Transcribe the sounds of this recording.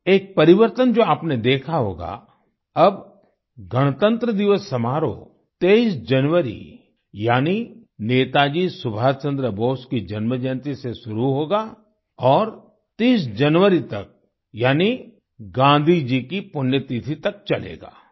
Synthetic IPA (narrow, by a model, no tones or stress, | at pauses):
eːk̚pɐɾɪʋəɾt̪ənd͡ʒoːaːpned̪eːkʰaɦo̰ːɡa̰ | ɐb | ɡɐɽ̃t̪ə̃nt̪ɾəd̪ɪʋəsːɐmaːɾo̰ | t̪eːisd͡ʒɐnʋəɾḭ | jaːnineːt̪ad͡ʒisʊbʱaːt͡ʃə̃nd̪ɾəboːskid͡ʒɐnməd͡ʒənt̪iseʃʊɾuɦoːɡaː | ɔːɾ | t̪iːsd͡ʒɐnʋəɾit̪ɐk̚ | jaːni | ɡãːnd̪ʱid͡ʒikipʊnjət̪it̪ʰit̪ɐk̚t͡ʃɐlḛːɡa̰ː